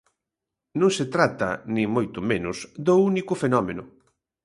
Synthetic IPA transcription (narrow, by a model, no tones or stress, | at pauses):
nõŋset̪ɾat̪ɐ̰nĩŋmojt̪ʊmenʊsd̪ounikʊfenɔmenʊ